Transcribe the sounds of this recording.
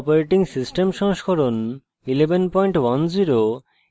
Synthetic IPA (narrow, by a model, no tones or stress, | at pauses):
poɾeʈiŋsisʈemʃɔŋʃkʰoɾon | ilebʱenpɔjɳʈwand͡ʑiɾo